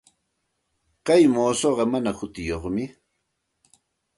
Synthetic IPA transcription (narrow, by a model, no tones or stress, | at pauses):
kajmoːsoɢɑmanahʊt̪ɪjoχmɪ